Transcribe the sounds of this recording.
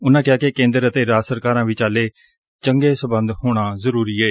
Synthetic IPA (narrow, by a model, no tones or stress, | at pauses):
ʊnãːkɪaːkekẽːnd̪əɾət̪eːɾaːsəɾkaːɾãːʋit͡ʃaːleː | t͡ʃəŋɡeːsəbənd̪hoːɽ̃aːzəɾuːɾiːeː